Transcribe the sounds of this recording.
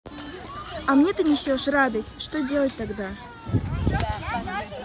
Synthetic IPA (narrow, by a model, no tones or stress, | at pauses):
ɐmnʲet̪ɨnʲɪsʲoʂrad̪ətʲʂt̪odʲelˠət̚ʲt̪aɡd̪a